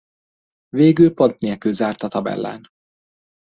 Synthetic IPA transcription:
veːɡylpo̞nt̪neːlkylzaːrt̪ɒt̪ɒbɛ̰lːɛ̰n

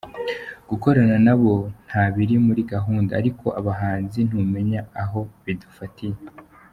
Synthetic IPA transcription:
ɡ̥uko̞ɾananaβo̞n̥haβiɾimuɾiɡaɦuːndaaɾikʰo̞ʔaβaɦaːnzin̥hume̞ɲaːɦo̞βidufatije

